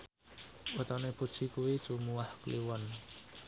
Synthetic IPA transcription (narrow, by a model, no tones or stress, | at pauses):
wət̪ɔnepu̥t͡ʃikuwit͡ʃumuahkliwɔn